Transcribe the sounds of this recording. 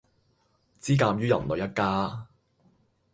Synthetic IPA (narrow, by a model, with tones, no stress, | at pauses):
t͡siː˥kaː˧mɥyː˥jɐ̰˨˩mlɵ˨˧jɐ˥t̚kaː˥